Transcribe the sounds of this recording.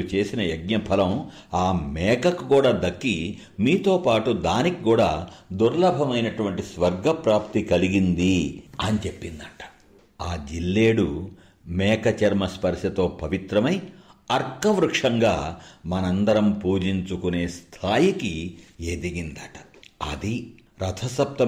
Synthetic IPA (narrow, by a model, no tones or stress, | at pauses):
t͡ʃe̞ːsinɐjɐɡ̚ɲɐpʰɐlɐm | aːmɛːkɐkukuːɽaːd̪ɐkːi | miːt̪o̞ːpaːʈud̪aːnikikuːɽaːd̪uɾlɐbʱɐmɐjnɐʈuʋɐɳʈisʋɐɾɡɐpɾaːpt̪ikɐliɡind̪iɐnit͡ʃe̞pːind̪aːʈɐ̥ | aːd͡ʒilːe̞ːɽu | mɛːkɐt͡ʃɐɾmɐspɐɾʃɐt̪o̞ːpɐʋit̪ɾɐmɐjɐɾkɐʋɾukʂɐŋɡaːmɐnɐnd̪ɐɾɐmpuːd͡ʒiɲt͡ʃukune̞ːst̪ʰaːjikieːd̪iɡind̪aːʈɐ̥ | ɐ̰d̪i | ɾɐt̪ʰɐsɐp̚t̪ɐ